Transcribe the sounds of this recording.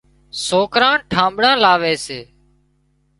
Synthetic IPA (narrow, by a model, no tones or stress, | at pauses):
soːkɾãːʈʰãːmɓɽãːlaːʋeːseː